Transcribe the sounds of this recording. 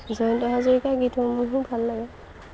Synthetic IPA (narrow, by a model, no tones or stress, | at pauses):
zɔntɔɦazɔɹikaɡitʰɔmuɦũbʱalːaɡɛ